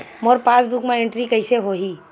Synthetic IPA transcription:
moːɾpaːsbukmẽẽɳʈɾikəɪseɦoɦiː

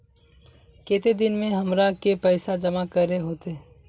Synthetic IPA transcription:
keːt̪ed̪ɪnmẽɦɐmɾakepəɪsad͡ʒəmakəɾeɦoːt̪e

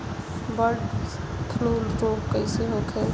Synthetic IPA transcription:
bəɖ | kʰluːlɾoːpkəɪseɦoːkʰel

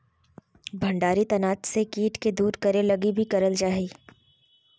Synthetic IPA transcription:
bʱɐ̃ɳɖaːɾit̪ɐnaːt͡ʃsekiːʈked̪uːɾkɐɾelɐɡibʱikɐɾəld͡ʒaːɦiː

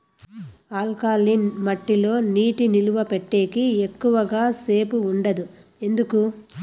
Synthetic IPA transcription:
aːlkaːlinmɐʈːilo̞ːniːʈiniluʋɐpeʈːeːkiekːuʋɐɡaːse̞ːpuːɳɖɐd̪u | e̞nd̪uku

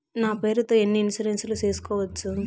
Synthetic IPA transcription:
naːpe̞ːɾut̪o̞ːenːiinsɐɾensɐlut͡ʃe̞ːsu̥kɔːʋɐt͡ʃːu

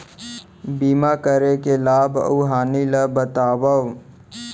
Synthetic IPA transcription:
biːmakəɾekelaːbə̰ɦaːniləbət̪aːwəw

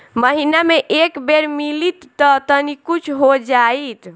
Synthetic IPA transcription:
məɦinameʔekbeɾmilit̪ːɔt̪ənikut͡ʃʰɦod͡ʒait̪

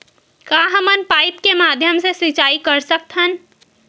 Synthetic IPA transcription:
kaɦəmənpaːɪt̪kemaːd̪ʱjəmseswɪt͡ʃaːikəɾsək̚t̪ɦən

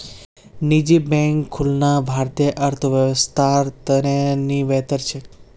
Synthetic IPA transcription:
nid͡ʒibɛ̃ŋkʰːulnabʱaɾt̪ijəʔəɾt̪ʰəʋjəʋəst̪ʰaɾt̪əneniʋɛt̪əɾt͡ʃʰe

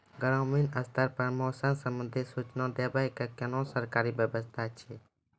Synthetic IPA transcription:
ɡəɾãminəst̪aɾpəɾmɔsənsəmənd̪ʱesut͡ʃnãd̪ebajkakɛnɔ̃səɾkaɾibjəbəst̪ʰat͡ʃʰe

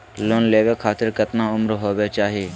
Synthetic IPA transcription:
loːnleːʋekʰaːt̪ɪɾkət̪naʊmɾɦoːbet͡ʃaːɦieː

